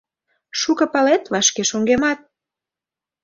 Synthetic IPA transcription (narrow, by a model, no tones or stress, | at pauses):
ʃukɤ̆pɑlet̪βɑʃkeʃoŋɡemɑt̪̚